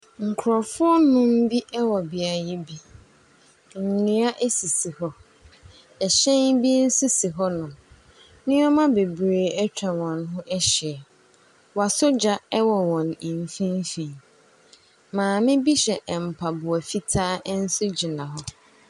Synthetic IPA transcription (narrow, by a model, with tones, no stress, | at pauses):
ŋ̩˨kʰʊ˨ɾɔ˨fʊ˦ɔ˦nʊ̃˦m̩˦bi˦ʔɛ˦wɔ˨bɪ˨a˨ji˦bi˦ | n̩˨nɪ̃˨˦a˦ʔɛ˦si˨si˨hɔ˦ | ɛ˨ɕɛ̃˦ŋbi˦n̩˦sʊ˦si˨ɦɔ˦nʊ̃˨ | nɪ̃˦ɔ˦mã˦be˨bɾeː˨ɛ˦t͡ɕᶣa˨wɔ̃˨n˦ɦʊ̃˦ʔɛ˦ɕɪ˨ɛ˨ | wa˨sʊ˦d͡ʑa˨ɛ˦wɔ˨wɔ̃˨nĩ˨n˨fĩ˦n˦fi˨ | mãː˨mɪ̃˦bi˦ɕɛ˨ʔm̩˨pʰa˨bʊ˨ɔ˨fi˦tʰaː˦n̩˦sʊ˦d͡ʑɪ˨nã˨ɦɔ˦